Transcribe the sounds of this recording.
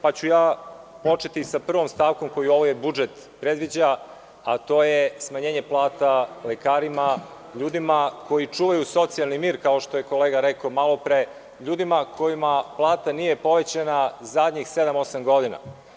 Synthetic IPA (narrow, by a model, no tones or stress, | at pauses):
pat͡ɕujaː | po̞t͡ʃe̞t̪isapr̩ʋo̞mst̪aːʋko̞mko̞jio̞ʋoje̞bud͡ʒet̪ | pɾed̪ʋid͡ʑa | at̪o̞ːjesmaɲeːɲe̞plˠaːt̪alekaːɾima | ʎuːd̪imako̞jit͡ʂuːʋajuso̞t̪sialˠnimiːɾkao̞ʃt̪o̞je̞ko̞leːɡaɾekomalˠo̞pɾe | ʎuːd̪imakʰo̞jimaplˠaːt̪anije̞po̞ʋet͡ɕanazad̪ɲixsed̪amo̞samɡo̞d̪ina̰